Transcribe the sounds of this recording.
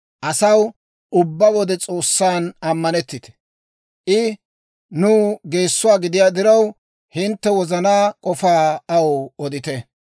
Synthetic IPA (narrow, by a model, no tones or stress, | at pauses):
ʔɐsɐw | ʊbːɐwɔd̪ɛt͡sʼo̞ːsːaːnɐmːɐnɛt̪ːɪt̪ɛ̥ | ʔɪ | nuːɡe̞ːsːʊwaːɡɪd̪ɪjaːd̪ɪɾɐw | hɪnt̪ːɛwɔzɐnaːkʼɔfaːɐwɔd̪ɪt̪ɛ